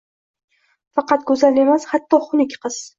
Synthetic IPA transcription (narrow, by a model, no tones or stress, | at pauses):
fɑqɑt̪̚ɡɵzale̞mashat̪ʰːɒχʊnɪkʲqʰɨz̥